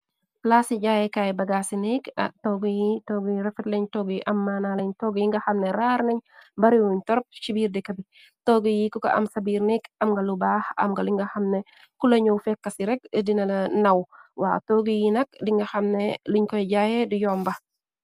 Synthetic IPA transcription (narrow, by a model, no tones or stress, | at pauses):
plaːsiɟaːjɛkaːjɛbɐɡaːsinikɐ̰tɔɡijitɔːɡijɾɛfɛtlɛɲtɔɡiʔɐmːaːnalɛɲtɔɡjiŋɡɐxɐmnɛɾaɾnɛɲbɐɾiwuɲtɔɾɔp̚ʃibiːɾdɛkɐbi | tɔɡijikɔkɐ̰ʔɐ̰msɐbiːɾnikɐmŋɡɐlubaxɐ̰mɡɐliŋɡɐxɐmnɛ | kulɐɲowfɛkːɐsiɾɛkdinɐlɐnɐwwa̰ːtɔːɡijinɐk̚diŋɡɐxɐmnɛliɲkɔjɟaːjɛdujɔːmbɐ